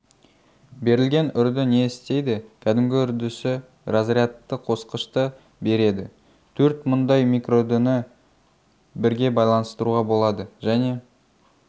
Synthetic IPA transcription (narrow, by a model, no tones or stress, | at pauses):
be̞ɾɪlɡʲe̞nʏɾd̪ɪne̞ɪst̪e̞jd̪ɪkʲʰæd̪ɪmɡʲɪʏɾd̪ɪsɪ | ɾazɾijɑt̪ːəqʰo̞sqəʃt̪ə | be̞ɾe̞d̪ɪ | t̪ʰɵɾt̪mʊnd̪ɑjmikro̞d̪ɪnə | bɪɾɡʲe̞bɑjlˠɑnəst̪əɾuʁɑbo̞lˠɑd̪əʒæne̞